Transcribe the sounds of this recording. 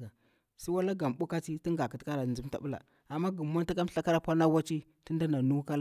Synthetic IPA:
a˨ | sa˦wa˦la˦ɡa˨m˨ɓu˦ka˦t͡si˦ti˦ŋɡa˨ki˦tka˦ɾa˨u˦mta̰˨ɓu˦la̰˨ | a˨mːa˦ɡə˨mː˦a˦nta˦ka˦m˦ɬa˦ka˦ɾa˦pʷa˦na˦wa˦t͡ʃi˦ | ti˦nda˦na˨nu˦ka˦l

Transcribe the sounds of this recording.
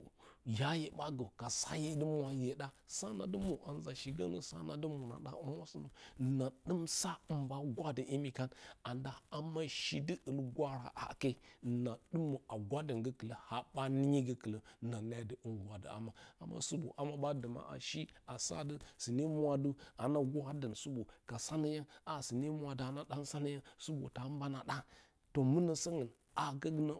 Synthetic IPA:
ja˦je˨ɓa˦ɡə˨ka˨sa̰˦je˦də˦mʷ˦a˨je˨ɗa˦sa˦na̰˨də˦mu˨ʔa˨n˦za˨ʃi˨ɡə̰˦nə̰˨sa̰˦na˨də˦mu˨na̰˨ɗa̰˦u˦mʷ˦a˦sə˦nə˨na˨ɗə˦msa˦ə˨mba˦ɡʷa˦də˨ʔi˦mi˨ka˦na˨nda˨a˦ma˦ʃi˦də˦ʔə˨lɡʷa˦ɾa̰˨ʔa̰˨ke˦˨na˨ɗɨ˦mːə˨a˨ɡʷa˦də˨ŋɡə˦kə˨lə˨ha˨ba˦ni˦ɲi˦ɡə˦kə˨lə˦na˨na˦də˨ʔə˦nɡʷa˨də̰˨a̰˨ma˨a˨mːa̰˦su˦bo̰˨ʔa˨ma˦ɓa˦də˨ma̰˦ʔa̰˨ʃi˦a˨sa̰˦də˦si˨ne˦mwa˦du˦a˨na˦ɡa˦də˨nsu˦bu˨ka˨sa˦nə˦ja˦a˨si˨ne˦mʷ˦a˨də˨a˨na˦da˦n˦sa˦nə˦ja˦su˦bo̰˨ta˨˦ba˦na˨ɗa˦ | to˨mə˦nə˨sə˦ŋə˨ | a˨ɡə˦ɡnə˦

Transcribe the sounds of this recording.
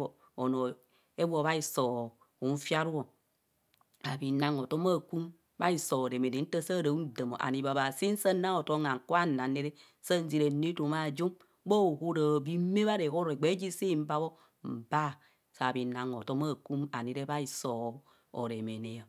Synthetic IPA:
o˨ | o˨no˨ | e˦bo˨βa˦i˨so˨ | u˨n̩˦fja˦ɾu˦o˨ | a˨bi˨na˦ŋo˨to˦ma˦˨ku˦m | ba˦i˨so˨o˨ɾe˨me˨ne˨n̩˦tə˦sa˦˨ɾa˨u˦n̩˦˨də˨mo̰˨ʔa̰˨ni˨ba˨ba˨si˦n̩˦sə˦na˦ŋo˨to˦ŋa˨ŋ̩˨ku˦a˦˨na˨ne˦ɾe˦ | sə˦n̩˦zi˨ɾe˨ne˦to˨ma˨d͡ʒo˦m˦ | bo˦˨ho˦ɾa˨bi˦me˦βa˦ɾe˨ho˦ɾe˨ɡ͡be˨˦d͡ʒi˦si˦˨m̩˦ba˦bo˦ | m̩˨ba˦˨ | sa˨bi˨˦na˨ŋo˨to˦ma˦˨ku˦ma̰˨ne˨˦ɾe˦ba˦i˨so˨ | o̰˨ɾe˨me˨ne˨a˨

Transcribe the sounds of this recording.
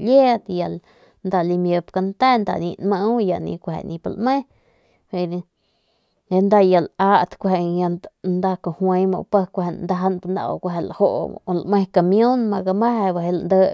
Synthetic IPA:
lje˦t̪ja˨l | nd̪a˧li˧mjə˧p̚ka˧nt̪ɛː˦˨nd̪a̰˨nḭ̃˧nmã˧˦ja˨ʔnḭ̃˧kʷhḛ˨nĩ˧pa˧˨lʔmẽ˦ | he˧n˧ | e˧nd̪a˧ja˨laː˧˦ʔt̪kʷhe˨jã˧nd̪a˧kõ˨hwẽ˧˦mõ̰˧˨pə˧kʷhe˧˨nnd̪a˧ɦa˧npa˧nd̪a̰˧˨o̰˨kʷɦe˨la˨ho˦˨ʔlʔmẽ˦˧ka˨mj̃õ˦nmã˧ɡa˧mã˦ha˧ba˧ɦe˧la˨ʔnd̪əː˧

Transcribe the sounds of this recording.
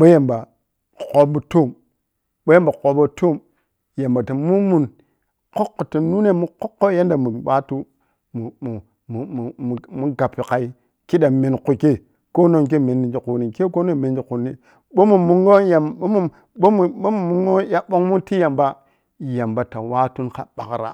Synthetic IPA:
ɓo˦ja˨mba˨ | ko˦bu˨˦to˦˨m | ɓo˦ja˦mba˨ko˨bo˦to˦˨m | ja˨mba˨ta˨mu˦mu˨n | ko˦kːo˨ti˨nu˦ne˦mu˦ko˦kːo˦ja˦nda˨mu˨ɓa˦tu˦ | mu˨u˨ | m˨u˨mu˦ɡa˨pːi˨ka˨i˦ | ki˦ɗa˨mi˨nku˨ke˦ | ko˦no˦ŋk̬e˦me˨nːi˨d͡ʒi˨ku˨ni˨ke˦ko˦n˦o˦˨me˨n˦d͡ʒi˨ku˨ni˦ | ɓo˦mu˨mu˦ŋɡo˦ja˨o˦mu˦ | ɓo˦mu˨o˦mu˨mu˦ŋo˦ja˦ɓo˦ŋmu˦nti˦ja˨mba˦ | ja˨mba˨ta˨wa˦tu˦nka˨ɓa̰˨kɾa̰˨

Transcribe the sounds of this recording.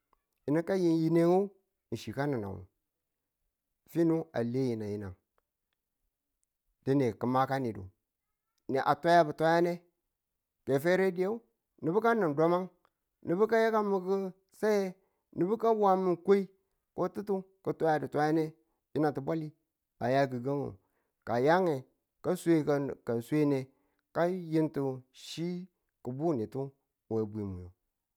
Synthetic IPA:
i˨ni˦ka˦ji˦nji˦ne˦ŋo˦˨ | n̩˨ʃi˨ka˦ni˨na̰˨wṵ˨ | fi˦nu˦a̰˨le˦ji˨na˨ji˨˦na̰˨ŋ | di˦ne˨kə˨ma˦ka˦ni˨dṵ˨ | ni˨ʔa̰˨tʷa˦ja˦bu˨tʷa˦ja˦ne˦ | ke˨fe˦ɾe˦di˦je˦u˦ | ni˨bi˦ka˦ni˨ndo˦ma˦ŋ | ni˨bu˦ka˦je˦ka˦mi˨ki˦ | sa˦je˦ | ni˨bu˦ka˦wa˦mi˦nko˦i˦ | ko˦ti˦tu˦ | kə˨tʷa˦a˨di˨tʷa˦ja˦ne˦ | ji˦na˨ti˨bʷa˦li˦ | a˨ja˦ɡi˨ɡa˦ŋṵ˨ | ka˨ja˦ŋe˨ | ka˦sʷe˦kka˨nsʷe˦ne˨ | ka˦ji˦ntu˨ʃi˦ | ku˨bu˦ni˨tu˦˨ | we˨bʷi˨mṵ˨jo̰˨

